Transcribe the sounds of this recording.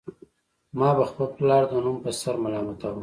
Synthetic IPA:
mɑbaxpəlplɑɽd̪ənumpəsaɾmalɑmat̪awu

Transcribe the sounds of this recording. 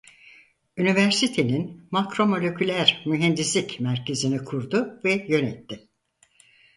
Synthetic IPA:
ynivæɾsit̪ʰe̞ninmakɾo̞mo̞lʲecʰylʲæɾmyɦɛnd̪islʲicmæɾcʰe̞zinikʰuɾd̪ʊvɛjø̞nɛt̪ʰːɪ

